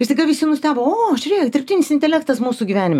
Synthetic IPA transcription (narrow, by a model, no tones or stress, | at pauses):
ɪsʲɐɡɐʋʲɪsʲɪnʊsʲt̪ʲæːʋoːoːʃʲɾʲeːjod̪ʲɪɾʲpʲt̪ʲɪːnʲɪsɪnʲt̪ʲɛlʲɛkt̪ɐsmuːsuɡʲiʋʲæːnʲɪmɛ